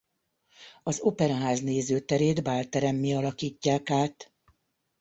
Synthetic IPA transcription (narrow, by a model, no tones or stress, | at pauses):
ɒzopɛɾɔɦaːzneːzøːt̪ɛɾeːd̪baːlt̪ɛɾɛmːiɒlɒkiːcːaːkaːt̪